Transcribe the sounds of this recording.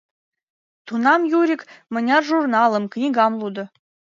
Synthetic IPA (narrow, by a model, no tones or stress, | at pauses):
t̪unɑmjuɾʲikmə̆nʲɑrʒurnɑlˠə̆mknʲiɡɑmlˠud̪ɤ̆